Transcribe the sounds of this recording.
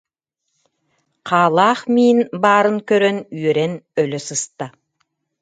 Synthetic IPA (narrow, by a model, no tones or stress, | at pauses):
qʰɑːlˠɑːχmiːnbɑːɾɯŋkøɾønyjøɾenøløsɯst̪a